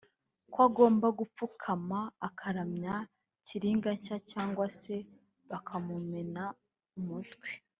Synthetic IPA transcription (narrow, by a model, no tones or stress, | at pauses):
kwaɡo̞ːmbaɡup͡fukʰamaːkʰaɾamɲa | ciɾiːŋɡacacaːŋɡwase̞ | βakʰamumena | umutɡwe̥